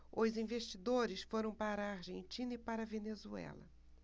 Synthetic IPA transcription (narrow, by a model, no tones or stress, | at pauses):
ʊzĩveʃt͡ʃid̪oɾɪsfoɾɐ̃w̃paɾɐːɾʒẽnt͡ʃĩnɐipaɾɐvenezuɛ̰lɐ̰